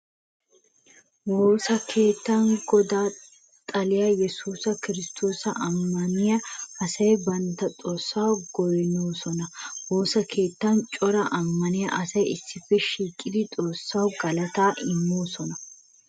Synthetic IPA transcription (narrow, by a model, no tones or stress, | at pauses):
woːsɐkʰe̞ːt̪ːanɡɔd̪aː | t̪ʼɐlɪjɐjɛsuːsɐkɪɾɪst̪ʰo̞ːsɐʔɐmːɐnɪjɐɐsɐjbɐnt̪ːɐt̪ʼoːsːawɡɔjnoːsɔnɐwo̞ːsɐkʰe̞ːt̪ːɐnt͡ʃʼɔɾɐʔɐmːɐnɪjɐ̰ʔɐsɐjɪsːɪfːɛʃiːkʼːɪd̪ɪt̪ʼo̞ːsːawɡɐlɐt̪aːʔɪmːoːsɔnɐ